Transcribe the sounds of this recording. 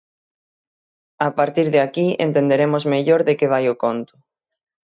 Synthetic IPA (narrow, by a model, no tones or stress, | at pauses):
apaɾt̪iɾðeakiḛnt̪end̪eɾemʊzmeʎoɾðekeβ̞ajʊkont̪ʊ̥